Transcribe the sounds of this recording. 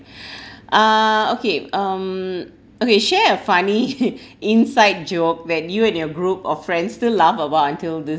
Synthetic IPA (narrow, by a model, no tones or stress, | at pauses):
ʔʌokeʌm | okeʃɛəfaniɪ̃nsaɪt̚d͡ʒok̚d̪ɛt̚juɛ̃njɔɡɹupɔffɹɛ̃ndstɪlavəbaʊtãntildɪ